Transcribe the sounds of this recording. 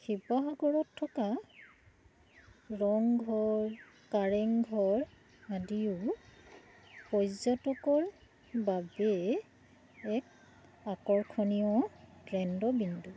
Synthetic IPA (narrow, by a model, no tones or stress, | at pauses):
xipɔɦaɡɔɹɔtʰːɔka | ɹɔŋɡʱɔɹ | kaɹɛŋɡʱɔɹ | adiʊ | pɔjzɔtɔkɔɹ | babɛ | ɛk̚ | akɔɹkʰɔniɔtɹɛndɔbindu